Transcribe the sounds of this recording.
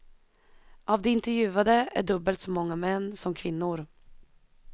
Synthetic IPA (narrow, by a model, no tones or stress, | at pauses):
ʔavd̪ɛɪnt̪ɛɾjʉ̟ːad̪əʔæ̰ɖɵbːəlt̪sɔmɔŋːamɛnːsɔmkʰvɪnːʊɾ